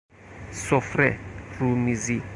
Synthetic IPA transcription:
sɔfrɛrumizi

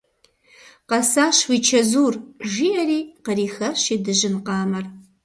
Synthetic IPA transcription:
qɐsaːɕwiːt͡ʃʰɐzuːrʒiːɐɾiːqəɾiːxɐɕiːdɨʑɪnqɑːmɐr

